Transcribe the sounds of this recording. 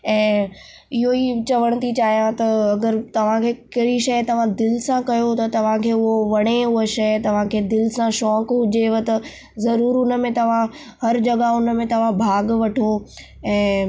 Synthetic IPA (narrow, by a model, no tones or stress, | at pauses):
ɛ̃ː | ɪɦoit͡ɕɐʋəɽ̃ət̪it͡ɕaːɦijãt̪ɐɐɡəɾt̪ɐʋ̤ãkʰeːkɐɦɪɽiʃɐjt̪ɐʋ̤ãd̪ɪlɪsãkɐjot̪ɐt̪ɐʋ̤ãkʰeːʊɦoʋɐɽ̃eʊeʃɐjt̪ɐʋ̤ãkʰeːd̪ɪlsãʃɔːkɦʊd͡ʑeʋət̪ɐ | zɐɾuːɾʊnəmẽt̪ɐʋ̤ã | hɐɾd͡ʑɐɡaʊnmẽt̪ɐʋ̤ãbʱaːɡʋɐʈʰo | ɛ̃ː